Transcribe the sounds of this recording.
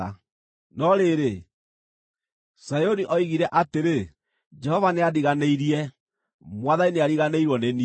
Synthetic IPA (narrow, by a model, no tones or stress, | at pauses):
a̰ | nɔɾeɾe | sajoniʔɔiɣiɾɛʔateɾe | d͡ʒɛhɔvaneadiɣaneiɾiɛ | mwaðaineaɾiɣaneiɾwɔneni